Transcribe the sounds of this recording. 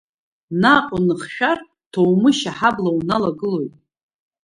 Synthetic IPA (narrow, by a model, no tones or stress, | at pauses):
naqʼʊnɨχʃᶣar | tʰowmɨʃaħablawunalaɡɨlo̞jtʼ